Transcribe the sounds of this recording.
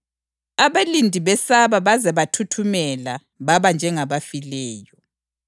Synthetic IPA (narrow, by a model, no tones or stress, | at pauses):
aβalindʱiβɛsaβaβazɛβatʰutʰumɛla | βaβand͡ʒʱɛŋaβafilɛːjɔ